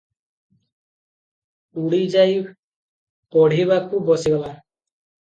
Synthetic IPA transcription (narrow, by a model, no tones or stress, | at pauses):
uɽid͡ʒaj | pɔɽ̤iβakubɔsiɡɔla